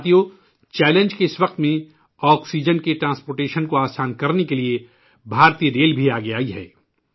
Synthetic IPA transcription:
t̪ijo | t͡ʃɛːlẽnd͡ʒkeɪsʋɐq̚t̪mẽ | ɔːksiːd͡ʒənkeʈɾãːnspoːɾʈeːʃənkoaːsaːnkɐɾnekelie | bʱaːɾt̪iːeɾeːlbʱiaːɡeaːiɦɛ̰ː

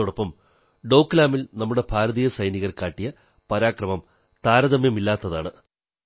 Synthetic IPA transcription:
uɽɐpːɐm | ɖo̞ːkːlaːmilnɐmːuɽe̞bʱaːɾɐðiːjɐsɐjniɣɐrkaːʈːijɐ | pɐɾaːkrɐmɐm | t̪aːɾɐðɐmjɐmilːaːt̪ːɐðaːɳɨ

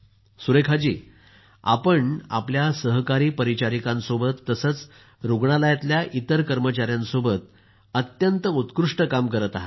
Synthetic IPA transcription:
suɾekʰad͡ʑiː | a̰pəɳa̰pljasəɦkaɾiːpəɾit͡ɕaɾikãnsobət̪ːəsət͡s | ɾuɡɳalajat̪ljaʔit̪əɾkəɾmət͡ɕaɾjãnsobət̪̚ | ət̪jənt̪əut̪kɾuʂʈəkamkəɾət̪aɦa

